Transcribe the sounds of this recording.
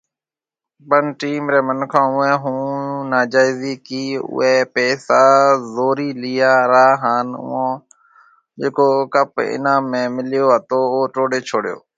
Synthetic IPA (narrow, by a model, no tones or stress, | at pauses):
bənʈiːmɾeːmənkʰãːʊẽːɦũːnaːd͡ʒaːɪːziːkiːʊ̰eːpeːsaːzoːɾiːlɪjaːɾaːɦaːnʊ̰ːãː | d͡ʒeːkoːkəpɪ̰nãːmːẽːmɪljoːat̪oːoːʈoːɽeːt͡ʃʰoːɽjo̰ː